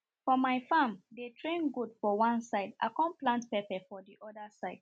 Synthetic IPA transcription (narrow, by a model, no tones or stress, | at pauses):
fɔmaɪfãmdetʰɹẽnɡudfɔwãnsaɪdʔa̰kɔ̃nplãntpɛpɛfɔðiʔɔdəsaɪd̥̚